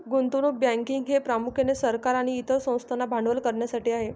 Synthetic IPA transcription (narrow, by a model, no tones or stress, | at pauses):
ɡunt̪uɽ̃ubjãŋkiŋɡɦepɾamukʰenesəɾkaɾaɽ̃iːt̪ʰəɾsə̃w̃st̪ʰanabʱaɳɖʋəlkəɾɳjasaʈiːaɦe